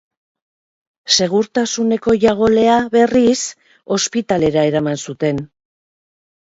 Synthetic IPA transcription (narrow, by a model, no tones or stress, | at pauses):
se̞ɣ̞uɾt̪asune̞ko̞ʝaɣo̞le̞aβe̞ris | o̞spit̪ale̞ɾae̞ɾamansut̪e̞n